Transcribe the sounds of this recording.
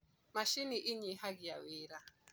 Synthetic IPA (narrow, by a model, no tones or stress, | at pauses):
maʃiniʔɪɲiɦaɡɪja̰weːɾa